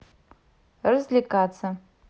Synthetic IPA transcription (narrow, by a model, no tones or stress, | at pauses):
rɨzlʲikʼat͡sʰa